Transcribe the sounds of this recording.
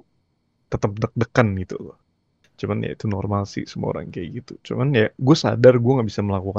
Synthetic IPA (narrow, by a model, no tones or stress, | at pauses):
t̪ət̪əp̚dək̚dəkanɡit̪ṵlɔ | t͡ʃumanja̰it̪unɔrmalsḭsəmua̰o̰ɾa̰ŋkaɡit̪ut͡ʃumanjaɡuasa̰darɡuaŋaʔbisaməlakuka